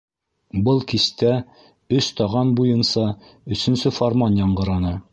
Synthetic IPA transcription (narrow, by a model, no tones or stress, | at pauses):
bɤlˠkist̪æ | ɵst̪ɒʁɑnbujɤnsɑ | ɵ̆sɵ̆nsɵformɑnjɑɴɢɤ̆ɾɑnɤ